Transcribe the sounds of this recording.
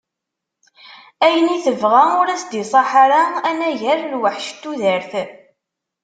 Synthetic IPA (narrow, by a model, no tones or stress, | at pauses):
æjəniθəvʁæʊɾæsd̪isˤɑħaɾaænæʝæɾlwəħʃt̪ːuðəɾθ